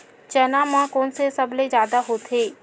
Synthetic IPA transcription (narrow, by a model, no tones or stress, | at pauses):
t͡ʃənãːmãkoːnsesɐbled͡ʒjaːd̪aɦoːt̪ʰeː